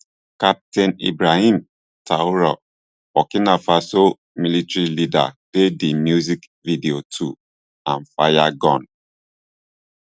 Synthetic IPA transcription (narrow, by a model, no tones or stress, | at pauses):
kap̚tɛ̃nḭbɹahĩm | tʰauɹɔ | ɔkinafaso | militɹilida̰d̥edimjuzik | vidiotʰu | ãnfajaɡɔ̃n